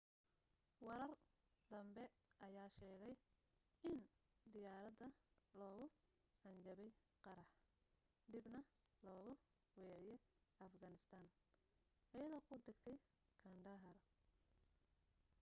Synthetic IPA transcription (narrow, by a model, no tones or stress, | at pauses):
wɑɾɐr | d̪ɐmbɛʔɐjaːʃɛːɣɛj | ɪnd̪ɪjaːɾɐd̪ɐlɔːɣʊ | ħɐnt͡ʃɐβɛj | qɑɾɐħ | d̪ibnɐ | lɔːɣʊ | wɛːʕjɛɐfɡɐnɪst̪ʰaːn | ʔɐjɐðɔːkʰʊd̪ɪɡt̪ʰɛj | kʰɐɳɖɐɦɐr